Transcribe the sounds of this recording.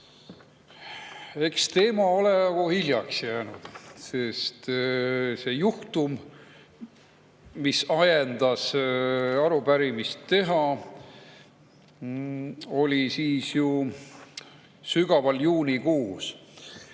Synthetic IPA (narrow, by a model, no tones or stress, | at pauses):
e̞kst̪e̞ːmɑo̞lejɑkohilʲjɑksjæːnud̪̥se̞st̪ | se̞juht̪um | isɑjend̪̥ɑs | ɑɾupæɾimist̪ːe̞ɦɑ | o̞lʲisiːsju | syɡ̥ɑvɑljuːnikuːs